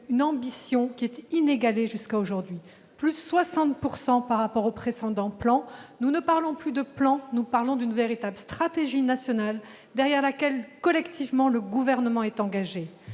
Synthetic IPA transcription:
ynɑ̃bisjɔ̃kʲiɛt̪ineɡaleʒyskaoʒuʁd̪ɥi | plysːwasɑ̃t̪puʁsɑ̃paʁːapɔʁopχesɑ̃d̪ɑ̃plɑ̃nunəpaʁlɔ̃plyd̪əplɑ̃nupaʁlɔ̃d̪ynveʁit̪ablst̪χat̪eʒinasjɔnal | d̪ɛʁjɛʁlakʲɛlkɔlɛkt̪ʰivmɑ̃ləɡuvɛʁnəmɑ̃ɛt̪ɑ̃ɡaʒe

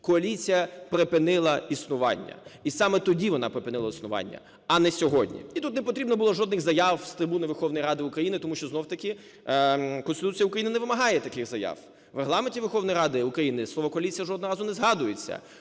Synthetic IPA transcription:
kɔɐlʲit͡sʲijɐpɾepɪnɪlˠɐisnʊʋɑ̰nʲːɐ̰isɑmɛt̪ɔdʲiʋɔnɑpɾepɪnɪlˠɐisnʊʋɑ̰nʲːɐ̰ | ɐnɛsʲɔɦɔdʲnʲḭit̪ut̪nepɔt̪ɾʲibnɔbʊlˠɔʒɔd̪nɪɣzɐjɑwst̪ɾɪbunɪʋerxɔwnɔjɾɑd̪ɪʊkɾɐjinɪt̪ɔmuʃt͡ʃɔznɔwt̪ɐkʲi | kɔnst̪ɪt̪ut͡sʲijɐʊukɾɐjinnɛʋɪmɐɦɑjɛt̪ɐkɪxzɐjɑ̰w | ʋɾeɦlˠɑmenʲtʲiʋerxɔwnɔjɾɑd̪ɪʊkɾɐjinɪslˠɔʋɔkɔɐlʲit͡sʲijɐʒɔd̪nɦɔɾɑzʊnɛzɦɑd̪ʊjet͡sʲːɐ̰

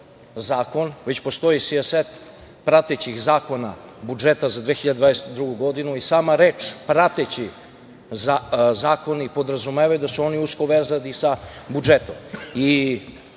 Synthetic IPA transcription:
zaːko̞nʋet͡ɕpo̞st̪o̞jisieset̪ | pɾat̪et͡ɕixzaːko̞na̰bud͡ʒet̪azad̪ʋeːxiʎad̪d̪vad̪eset̪d̪ɾuɡuɡo̞d̪inuisaːmaɾeːt͡ʃpɾat̪et͡ɕi | zzaːko̞nipo̞d̪ɾazumeːʋajud̪asuo̞niusko̞ʋeɾzanisabud͡ʒet̪o̞mi

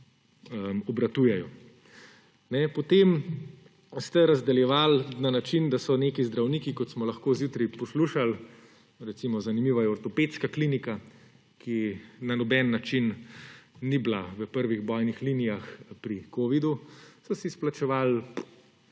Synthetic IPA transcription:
əmɔbɾat̪ujɛjɔ | nɛpɔt̪eːm | st̪ɛɾazd̪ɛljɛʋalnanat͡ʃind̪asɔneːkizd̪ɾawniːkikɔt̪smɔlɐxkoːzjut̪ɾipɔsluʃal | ɾɛt̪simɔzanimiːʋajɛɔɾt̪ɔpeːt̪skakliːnika | kʰinanɔbɛnːat͡ʃinː | iblaʋəpəɾʋiɣbɔːjnixliːnijaxpɾikoːʋid̪usɔsisplat͡ʃɛʋal

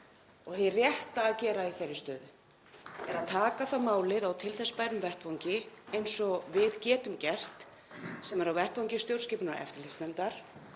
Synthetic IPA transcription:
ɔɣθejrjɛht̪aːðcɛːɾaiθerːɪst̪œːðʏ | ɛɾat̪ʰaːkaθamaːwlɪðawt̪ʰɪlθɛspaːjɾʏmvɛrt̪vɔwɲcɪejnsɔvɪðcɛːt̪ʏmcɛr̥t̪ | sɛmɛɾawvɛr̥t̪vɔwɲcɪst̪jowɾ̥scɪːpʏnaɾɛ̰ft̪ɪlɪsnɛnt̪aɾ̥

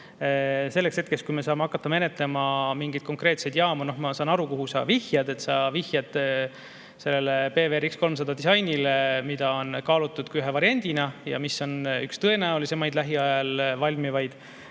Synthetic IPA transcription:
se̞lːe̞kse̞t̪ke̞stkujme̞sɑːmeɑkːˑɑt̪ːɑme̞ne̞t̪ˑle̞mɑmiŋɡid̪̥̚ko̞ŋkre̞ːt̪se̞jd̪̥jɑːmuno̞hmɑsɑːnɑɾukoɦusɑ̰vihjɑd̪e̞t̪ːsɑvihjɑd̪ | se̞lːelepe̞ːveeɾiksko̞lms̬ɑd̪̥ɑd̪̥isɑjnilemid̪̥ɑo̞nkɑːlut̪ːˑud̪̥kuyɦevɑɾiɑnʲd̪̥inɑjɑ̰miso̞nykst̪ɤe̞næulisemɑjd̪læɦiɑjɑlvɑlʲmivɑjd̪̥

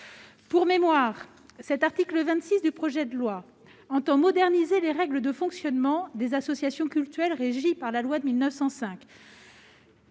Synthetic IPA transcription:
puʁmemwaːʁ | sɛt̪aʁt̪ikləvɛ̃t̪sisd̪ypχɔʒɛd̪əlwa | ɑ̃t̪ɑ̃mɔd̪ɛʁnizeleʁɛɡləd̪əfɔ̃ksjɔnmɑ̃d̪ezasɔsjasjɔ̃kʲylt̪yɛlʁeʒipaʁlalwad̪əmilnœfsɑ̃sɛ̃k

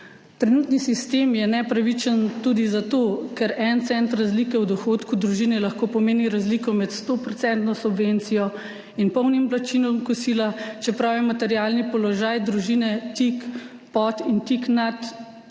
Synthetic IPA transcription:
t̪ɾɛnuːt̪nisist̪eːmjɛnɛpɾaʋit͡ʃənt̪ud̪izat̪oːkɛɾɛnt̪sɛnt̪ɾazliːkɛwd̪ɔxoːt̪kud̪ɾuʒinɛlaxkoːpɔmeːniɾazliːkɔmɛt̪st̪opɾɔt̪sɛnt̪nɔsubʋent̪sijɔ | inpɔwnimblat͡ʃiːnɔmkɔsiːlat͡ʃɛpɾaːwjɛmat̪ɛɾjaːlnipɔlɔʒaːjd̪ɾuʒiːnɛt̪ik | pɔt̪int̪iknat̪

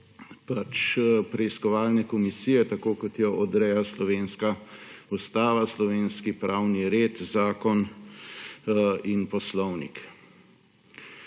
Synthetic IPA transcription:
pat͡ʃpɾɛiskɔʋaːlnɛkɔmisijɛt̪akoːkɔt̪jɔʔɔd̪ɾɛjaslɔʋeːnskaust̪aːʋaslɔʋeːnskipɾawniɾeːt̪zaːkɔn | inpɔslɔwnḭk

